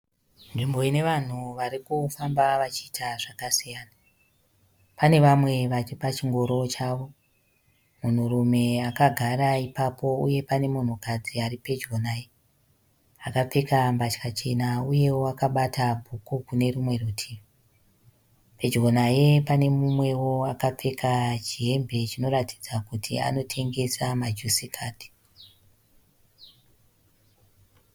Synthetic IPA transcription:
nʐimbo̞ine̞ʋan̤uʋaɾikufambaʋat͡ʃiːtʰaʐakasijaːna | pane̞ʋamwe̞ʋat͡ʃipat͡ʃiŋɡo̞ɾo̞t͡ʃaːʋo̞ | mun̤uɾume̞akaɡʱaɾaipapo̞uje̞pane̞mun̤ukad͡ziaɾipe̞d͡ʒɡonaje | akap͡fekambat͡ʃkat͡ʃe̞nauje̞wo̞akaɓatʰabʱukukune̞ɾumwe̞rutʰi | pe̞d͡ʒɡonaje̞pane̞mumwe̞wo̞akap͡fekʰat͡ʃiɦe̞mbe̞t͡ʃino̞ɾati̥d͡zakutʰḭa̰no̞tʰe̞ŋɡe̞samad͡ʒusikʰaːti̥

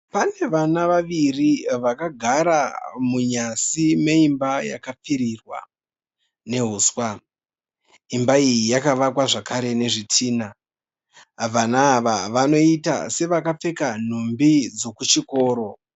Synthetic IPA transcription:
pane̞ʋanaʋaʋiriʋakaɡʱaɾamuɲasime̞imbaja̰kap͡fiɾirwa̰ | ne̞ɦuːswa | imbaijijakaʋakwaʐakaɾe̞ne̞ʐitʰiːna | ʋanaːʋaʋano̞ita̰se̞ʋakap͡fe̞kan̤umbid͡zo̞kut͡ʃiko̞ːɾo̞

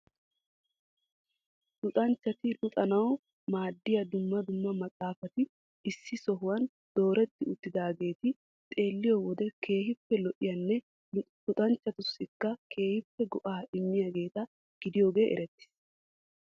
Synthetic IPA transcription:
t̪ʊt̪ʼɐnt͡ʃːɐt̪ɪlʊt̪ʼɐnɐw | maːd̪ːɪjɐd̪ʊmːɐd̪ʊmːɐmɐt͡sʼaːfɐt̪ɪ | ɪsːɪsɔɦʊwɐn | d̪̥o̞ːɾɛt̪ːɪʊt̪ːɪd̪aːɡe̞ːt̪ɪ | t̪ʼe̞ːlːɪjɔwɔd̪ɛkʰe̞ːhɪpːɛlɔʔɪjɐnːɛ | t̪ʊt̪ʼɐnt͡ʃːɐt̪ʊsɪkːɐkʰe̞ːhɪpːɛɡɔʔaːʔɪmːɪjaɡe̞ːt̪ɐ | ɡ̥ɪd̪ɪjo̞ːɡe̞ːʔɛ̰ɾɛt̪ːɪ̥s

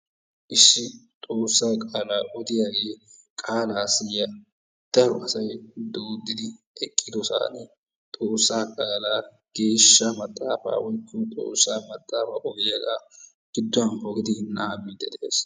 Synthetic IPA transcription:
ʔɪʃːɪt̪ʼoːsːaːkʼaːlaːʔɔd̪ɪjaːɡe̞ːkʼaːlaːsɪjːɐ | d̪̥ɐɾʊʔɐsɐjd̪oːd̪ɪd̪ɪ | ɛkʼːɪd̪ɔsa̰ːnɛ | t̪ʼoːsːaːkʼaːlaː | ɡ̥e̞ːʃːɐmɐt̪ʼːaːfa̰ːwɔjkʰːut̪ʼo̰ːsːaːmɐt̪ʼːaːfaʔɔd̪ɪjaɡaː | ɡ̥ɪd̪ːʊwɐnhɔɡɪd̪ɪnaːbid̪ːɛd̪ɛʔḛːs

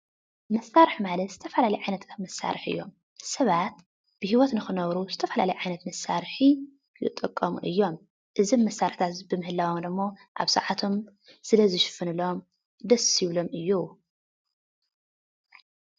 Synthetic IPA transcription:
mɐsaɾɨħmalɐt̪z̥ɨt̪ʰɐfɐlalɐjʕajnɐt̪ʰɐmːɐsːa̰ɾɨħʔɨ̰jːo̞̰m | sɐβat̪ | b̥ɨhiwɔt̪nɨxɨnɐβɾuzɨt̪ʰɐfɐlalɐjʕajnɐt̪mɐsaɾħi | jɨ̰t̪ʼːɨkʼːɐmṵʔɨjːo̞m | ʔɨzimːɐsːaɾɨħt̪ʰat̪bɨmɨhɨlːawomd̪ɨmːo̞ʔa̰βsɨ̰ʕat̪ʰo̞m | sɨlɐzɨʃɨ̥fɨnɨlo̞m | d̪ɐsjɪβlo̞mɨjːu

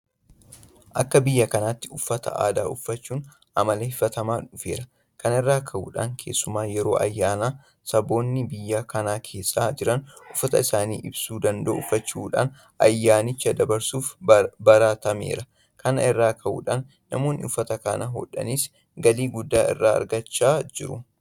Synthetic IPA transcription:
ʔɐkːɐbɪjːɐkɐnaːt̪ːɪʊfːɐt̪ɐ̰ʔa̰ːd̪a̰ːʔʊfːɐt͡ʃːuːn | ʔɐmɐleːhɪfɐt̪ɐmaːᶑʊfe̞ːɾɐ | kɐnɪrːaːkʰɐʔṵːᶑa̰ːŋkʰe̞ːsːʊmaːjɛɾo̞ːʔɐ̰jːaːnaː | sɐbo̞ːnːɪbɪjːaːkɐnaːkʰe̞ːsːaːd͡ʒɪɾɐnʊfːɐt̪ɐɪsaːnḭːʔɪbsuːd̪ɐnd̪ɐʊfːɐt͡ʃːuːᶑa̰ːn | ɐjːaːnɪt͡ʃːɐd̪ɐbɐɾsuːfbɐɾat̪ɐmḛːɾɐ | kɐnɐ̰ɪrːaːkʰɐʔṵːᶑaːnːɐmo̞ːnːɪ̰ʊfːɐt̪ɐka̰nɐɦɔ̰ᶑɐ̰niːs | ɡɐliːɡʊd̪ːaːɪ̰rːa̰ːɐ̰ɾɡɐt͡ʃːaːd͡ʒɪɾʊ

